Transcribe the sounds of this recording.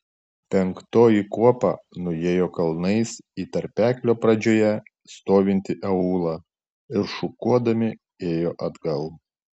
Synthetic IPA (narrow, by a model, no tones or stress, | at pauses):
pʲɛŋkt̪oːjikuɔpɑ̰nʊjeːjoːkɐlˠnɐɪsiːt̪ɐɾʲpʲæːklʲoːpɾɐd͡ʒʲoːjɛ | st̪oːʋʲɪnʲt̪ʲɪʔɛuːlˠɑ | ɪɾʃʊkuɔd̪ɐmʲɪ | eːjoːʔɐd̪ɡɐlˠ